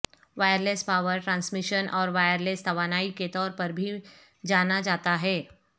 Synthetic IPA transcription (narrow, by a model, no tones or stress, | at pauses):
ʋaːjəɾleːspaːʋəɾʈɾãːnsmɪʃənʔɔːɾʋaːjəɾleːst̪ʰɐʋaːnaːiket̪ɔːɾpɐɾbʱi | d͡ʒaːnad͡ʒaːt̪aɦɛː